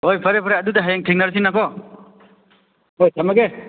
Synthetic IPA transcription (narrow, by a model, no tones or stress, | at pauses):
ojpʰɐɾepʰaɾeɐdudeɦajeŋtʰiŋnaɾs̬iŋnakɔ | ojtʰamɐɡe